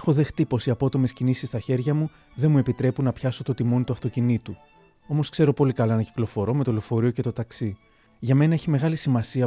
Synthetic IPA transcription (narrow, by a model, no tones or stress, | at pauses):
exo̞ðe̞xt̪ipo̞siɐpo̞t̪o̞me̞scinisist̪ɐçe̞ɾʝɐmu | ðe̞mue̞pit̪ɾe̞punɐpçɐso̞t̪o̞t̪imo̞nit̪uɐft̪o̞cinit̪u | omo̞skse̞ɾo̞po̞likɐlɐenɐci̥klo̞fo̞ɾo̞me̞t̪olo̞fo̞ɾio̞ce̞t̪ot̪ɐksi | ʝɐme̞nɐeçime̞ɣɐlisimɐsiɐ